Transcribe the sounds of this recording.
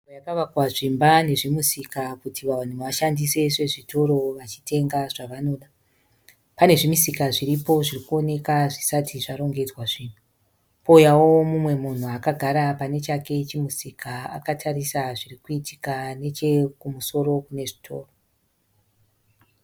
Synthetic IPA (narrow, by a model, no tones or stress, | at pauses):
ojakaʋakwaʐimbane̞ʐimusikakutʰiʋan̤uʋaʃandise̞ʂe̞ʐitʰo̞ɾo̞ʋat͡ʃi̥tʰe̞ŋɡaʐaʋano̞ːɗa | pane̞ʐimisikaʐiɾipo̞ʐirikuo̞ne̞kaʐisatʰiʐaɾo̞ŋɡe̞d͡zwaʐiːn̤u | poujawo̞mumwe̞mun̤uakaɡʱaɾapane̞t͡ʃake̞t͡ʃimusikʰaa̰katʰarisaʐirikuiti̥kane̞t͡ʃe̞kumuso̞ɾo̞kune̞ʐitʰo̞̰ːro